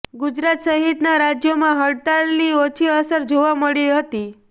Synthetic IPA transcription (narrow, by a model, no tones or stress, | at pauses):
ɡud͡ʒɾat̪səɦit̪naɾad͡ʒjomãɦəɽt̪alniot͡ʃʰiəsəɾd͡ʒoʋaməɭiɦət̪i